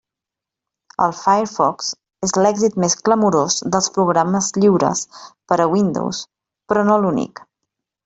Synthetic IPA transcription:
ə̰lˠfajəɾfɔks | ezlɛɡzit̪meskləmuɾozðəlˠspɾuɣɾaməzʎiwɾə̰spəɾəwind̪o̰ws | pɾɔnolunḭk

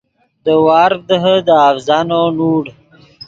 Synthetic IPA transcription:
d̪əwɑːɾd̪əɦəd̪əafzanonuːɽ

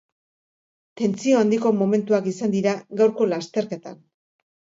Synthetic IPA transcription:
t̪e̞nt͡sio̞and̪iko̞mo̞me̞nt̪uakisand̪iɾaɣawɾko̞last̪e̞ɾke̞t̪a̰n

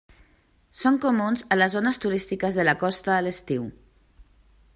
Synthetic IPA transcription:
soŋkumunzələzonəst̪uɾist̪ikəzðələkɔst̪əːləst̪iw

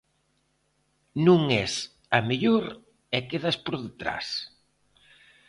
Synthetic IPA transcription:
nũŋɛs | ɐmeʎoɾ | ɛkeðaspoɾðet̪ɾa̰s

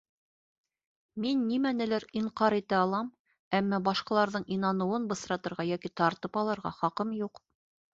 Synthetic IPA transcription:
minːimænɘ̆læɾiɴqɑɾit̪æɑlˠɑm | æmːæbɑʃqɑlˠɑɾðɤɴinɑnɤ̆wɤnbɤ̆sɾɑt̪ɤ̆ɾʁɑjækit̪ɑɾt̪ɤpɑlˠɤ̆ɾʁɑ̰χɑqɤmjuq

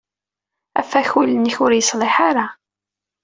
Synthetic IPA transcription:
æ̰fːæçuləniçʊɾjəsˤlɪħaɾa

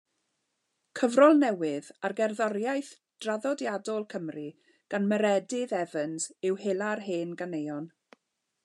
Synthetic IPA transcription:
kʰəvrɔlˠnɛwɪðarɡɛrðɔɾjajθ | d̥raðɔdjadɔlˠkʰəmri | ɡ̥anməɾɛdɪðɛvənzɪwhelˠarheːnɡanejɔn

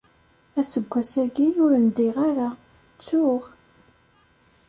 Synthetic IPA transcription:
æsəɡʷːæsæɡiʊɾənd̪iʁaɾa | t͡sːʊʁ

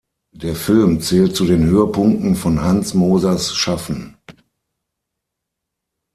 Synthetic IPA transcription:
d̥eːɐfɪlmt͡sɛːltt͡sudeːnhøːəpʰʊŋk̚tn̩fɔnɦansmoːzasʃafn̩

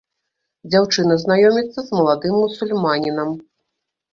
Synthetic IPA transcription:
d͡zʲawt͡ʂɨnɐznajɔmʲit̪sːɐzmɐlˠad̪ɨmːusulʲmanʲinɐm

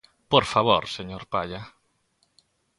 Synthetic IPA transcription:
poɾfaβoɾseɲoɾpaʎa

